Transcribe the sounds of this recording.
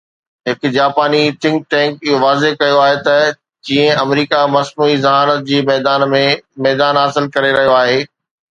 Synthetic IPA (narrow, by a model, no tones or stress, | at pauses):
ɦɪkd͡ʑaːpaːnit̪ʰɪ̃ŋk̚ʈɛ̃ːŋkɪɦoʋaːzekɐjoaːɦet̪ɐ | d͡ʑĩːə̃ɐmɾiːkamɐsnuːizɐɦaːnət̪̚d͡ʑiːmɛːd̪aːnmẽmɛːd̪aːnɦasɪlkɐɾeɾɐɦijoaːɦeː